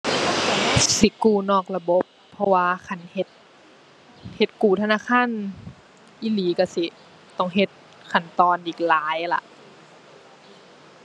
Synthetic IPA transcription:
si˧˦kuː˧˩nɔː˧˩k̚la˧bo˧˦pʰːɔ˧waː˧kʰa˧˩˨nhe˧˦t̪̚ | he˧t̪̚kuː˨˩t̪ʰa˧naː˧˥˨kʰa˧˥˨n | ʔiː˧˨liː˨˦ka˧˩si˧˦ | t̪ɔ˧˩ŋɦe˧˦t̪̚ | kʰa˧˩nt̪ɔː˧nʔiː˨˩k̚laː˨˦jla̰˧ʔ

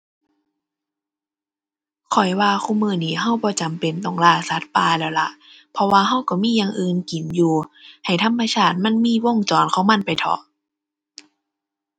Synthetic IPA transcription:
kʰɔ˨˩jwaː˧xʰuː˧˩˨mɯː˧˩niː˧˩ɦa˧˥˩wbɔː˧˦t͡ɕa˨mpe˨nt̪ɔ˨˩ŋlaː˧˩sa˨˦t̪̚paː˧lɛː˧˩wla̰˧ʔ | pʰɔ˧waː˧ɦa˧˥˨wkɔ˧˩miː˧˥˨jaː˧ŋʔɯː˧nki˨˦njuː˨˧ha˨˩jt̪ʰa˧˥˨mːa˧sʰaː˧˩t̪̚ma˧˥˨nmiː˧˥˨wo˧˥˨ŋt͡ɕɔː˨˦nkʰɔː˧˥˦ŋma˧˥˨npa˨jt̪ʰɔ̰˧˩

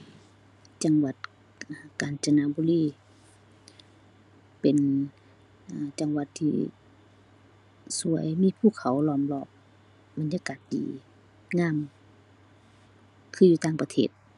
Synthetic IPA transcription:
t͡ɕa˨˧ŋwa˨˧˩t̪̚ː | kaː˨nt͡ɕa˧naː˧˨bu˧˦liː˧˨ | pe˨n | ʔa˧˩t͡ɕa˨˧ŋwa˧˦t̪ʰːḭː˧ | su˧˦əjmiː˧˥˨pʰuː˧˩˨kʰa˨˦wlɔː˧˩˨mlɔː˧˩p̚ | ba˨nɲaː˧kaː˨˩t̪̚dḭː˨ | ŋaː˧˥˨m | kʰɯː˧˨juː˧t̪aː˧˩ŋpa˧t̪ʰḛː˧˩t̪̚

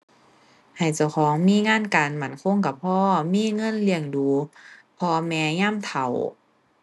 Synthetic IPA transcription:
ha˨˩jt͡ɕa˧˩wxʰɔː˨˦ŋmiː˧˥˨ŋaː˧˥˨nkaː˨nma˧˩˦nkʰo˧˥˨ŋka˧˩pʰɔː˧˥˨miː˧˥˨ŋɤ˧˥˨nli˧əŋduː˨˧pʰɔː˧mɛː˧ɲaː˧˥˨mt̪ʰa˨˩w

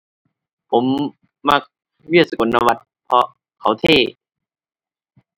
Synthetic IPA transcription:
pʰo˩˦mː | a˧˥k̚ | wi˥˩ət̚sa˨˧ko˨˩˦nːa˧wa˧˩t̪̚ | pʰɔ˧ | kʰa˨˦wt̪ʰeː˥˩

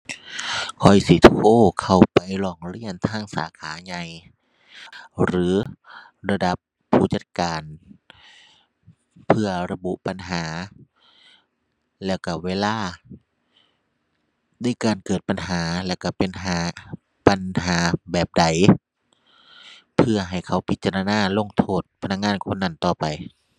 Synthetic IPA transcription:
kʰɔ˧˩jsi˧˦t̪ʰoː˧˩˨kʰa˨˧˩wpa˨˩jlɔː˧˩ŋɾi˧˥˩ənt̪ʰaː˧˥˨ŋsa̰ː˨˦kʰaː˩˦ɲa˧j | ɾɯː˨˦ | ɾa˧da˧˦pʰː | uː˧˩t͡ɕa˧˦t̪̚kaː˨n | pʰɯ˧ɐɾa˧bu˧˦ʔpa˨nɦaː˩˦ | lɛː˧˩wka˧˩weː˧˨laː˧˥˩ | na˧˥˨jkaː˨nkɤː˨˩t̪̚pa˨nhaː˩˦lɛ˧˩wka˧˩pe˨nɦaː˨˦ | pa˨nɦaː˨˦bɛː˨˩p̚da˨˩j | pʰɯ˧˩ɐɦa˨˩jkʰa˨˦wpʰi˦t̪̚t͡ɕa˧ɾa˧naː˧˩˨lo˧˥˨ŋt̪ʰoː˧˩t̪̚pʰa˧na˧˥k̚ŋaː˧˥˨nkʰo˧˥nːa˧˥˩nt̪ɔː˨˩pa˨j

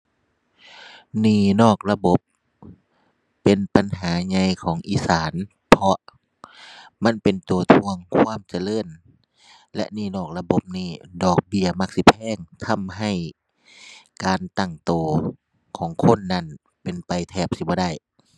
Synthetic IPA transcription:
niː˧˩nɔː˧˩k̚la˧bo˧˦p | e˨npa˨nɦaː˨˦ɲa˧jkʰɔː˨˦ŋʔiː˧˦saː˨˦n | pʰɔ˧ | ma˧˥˨npe˨nt̪u˨t̪ʰu˧əŋkʰwaː˧˥˨mt͡ɕa˧lɤː˧˥˨n | lɛ˧ʔniː˧˩˨nɔː˧˩k̚la˧bo˧˦p̚niː˧˩dɔː˨˩k̚bi˧˩ɐma˧k̚si˧˦pʰɛː˧˥˨ŋt̪ʰa˧˥mɦa˧˩j | kaː˨nt̪a˧˩ŋt̪oː˧˩ | kʰɔː˨˦ŋkʰo˧˥˨nːa˧˥˨n | pe˨npa˨jt̪ʰɛː˧˩p̚si˧˩bɔː˧˦da˧˥˩j

